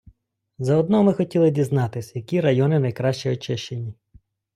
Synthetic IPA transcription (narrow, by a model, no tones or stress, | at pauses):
zɐɔd̪̚nɔmɪxɔtʲilˠɪdʲiznɑt̪ɪsʲjɐkʲiɾɐjɔnɪnɐjkɾɑʃt͡ʃiɔt͡ʃɛʃt͡ʃenʲi